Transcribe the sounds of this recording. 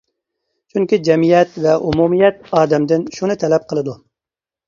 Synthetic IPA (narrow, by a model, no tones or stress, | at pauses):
t͡ʃʰyŋkʲid͡ʒɛmijɛt̪vɛʔumumijɛt̪̚ɑːd̪ɛmd̪ɪnʃunɨt̪ʰɛlɛp̚qʰəlˠɨd̪u